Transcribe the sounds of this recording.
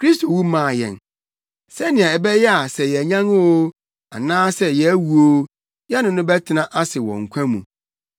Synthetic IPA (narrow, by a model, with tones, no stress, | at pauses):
kʰɾi˦stʰo˨wu˦mã˨jɛ̰̃˨n | sɛ˦nɪ̃˨ã˨ɛ˨bɛ˦jɛ˦a˨sɛ˨jɛ˨ɲã˦ŋ˦wo˦ | a̰˨nãː˦sɛ˦jɛ˨æ˦wu˨o˦ | jɛ˦nʊ̃˨nʊ̃˦bɛ˦tʰɪ˦nã˦ʔa˦sɪ˨wɔ̰̃˨ŋ̩˨kʷʰã˦mṵ̃˨